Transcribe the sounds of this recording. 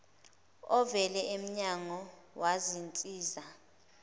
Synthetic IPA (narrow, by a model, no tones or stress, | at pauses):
ɔvɛlɛem̩ɲaŋɔwazint͡sʼiːza